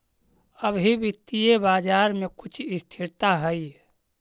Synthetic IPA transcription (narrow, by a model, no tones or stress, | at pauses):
əbʱibit̪ijebaːd͡ʒaːɾmekʊt͡ʃʰɪst̪ʰiɾt̪aɦəi